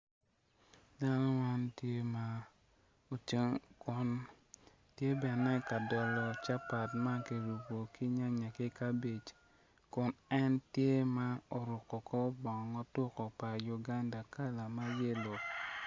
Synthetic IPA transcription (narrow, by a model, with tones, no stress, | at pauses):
da˦nɔ˦ma˦ntje˦ma˦ | o˨t͡ʃŋkʊ˨n | tje˦bɛ˨nɛ˦ka˨dɔ˨lɔ˨t͡ʃa˦pa˨tma˦ke˨ɾu˨bo˨ki˦ɲa˦ɲa˨ke˦ka˦be˨t͡ʃ | kʊ˨nɛ˦ntje˦ma˦o˨ɾʊ˨kɔ˨kɔ˦bɔ˨ŋ˨ŋɔ˦tʊ˦kɔ˨pa˨ju˨ɡa˦nda˨ka˦la˨ma˦je˦lɔ˨k̚